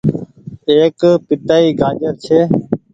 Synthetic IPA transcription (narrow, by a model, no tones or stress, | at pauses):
eːkpɪt̪aːiːɡʱaːd͡ʒəɾt͡ʃʰeː